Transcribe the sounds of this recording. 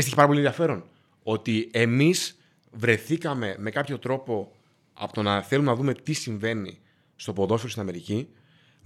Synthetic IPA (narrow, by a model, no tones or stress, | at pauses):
st̪içipɐɾɐpolienðiɐfe̞ɾo̞n | o̞t̪ie̞miz | vɾe̞θikɐme̞me̞kɐpço̞t̪ɾo̞po̞ | ɐ̰pot̪o̞nɐθe̞lumenɐðume̞t̪isiɱve̞nḭ | st̪o̞po̞ðo̞fiost̪inɐme̞ɾici